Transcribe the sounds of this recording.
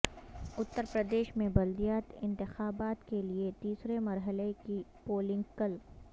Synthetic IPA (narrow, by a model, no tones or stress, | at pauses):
ʊt̪ːəɾpɾəd̪eːʃmẽbɐld̪ijaːt̪ɪ̰̃nt̪ɪxaːbaːt̪keliet̪iːsɾemɐɾɦəlekipoːlɪ̃ŋɡkəl